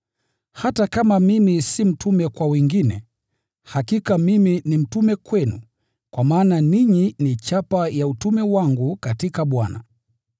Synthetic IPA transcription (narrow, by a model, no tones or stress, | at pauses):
hatakamamimisim̩tʰumɛkwawɛŋɡinɛ̰ | hakikamiminim̩tumɛkwɛnṵ | kwamaːnaniɲinit͡ʃapajautumɛwaŋɡukatikaɓwana̰